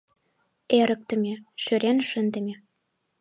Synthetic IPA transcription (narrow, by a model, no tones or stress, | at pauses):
eɾə̆k̚t̪ə̆mʲeʃøɾenʃə̆nd̪ə̆mʲe